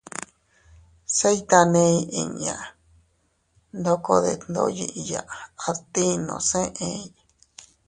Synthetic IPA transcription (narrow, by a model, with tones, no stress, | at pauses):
se˦jt̪a˧nẽ˧i˧ĩ˧˨ɲã˨ | nd̪o˦ko˧ðe˧˨nd̪o̰˦ji˧ʔi˧ja˨ʔa˧t̪i˦nõ̰˨sẽ˦ʔẽ˧˦i˦